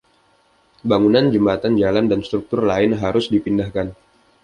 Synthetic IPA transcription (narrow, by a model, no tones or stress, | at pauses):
baŋunand͡ʒəmbat̪and͡ʒalandanst̪ɾuk̚t̪ʊrlaɪnɦaɾʊsdipindahkan